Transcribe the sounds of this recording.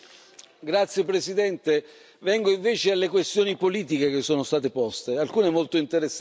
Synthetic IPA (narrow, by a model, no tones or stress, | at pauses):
ɡɾat̪sːjepɾesid̪ɛnt̪e | vɛŋɡoiɱveːt͡ʃealːekwest̪joːnipoliːt̪̬ikek̟esːoːnost̪aːt̪̬epɔst̪ealkuːnemolt̪oint̪eɾesː